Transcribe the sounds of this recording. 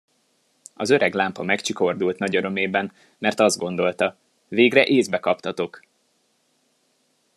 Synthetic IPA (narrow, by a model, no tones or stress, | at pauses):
ɒzø̞ɾɛɡlaːmpɒmɛkt͡ʃiko̞rd̪ult̪nɒɟɒɾo̞meːbɛn | mɛrt̪ɒzd̪ɡo̞n̪d̪o̞lt̪ɒ | veːɡrɛʔeːzbɛkɒpt̪ɒt̪o̞k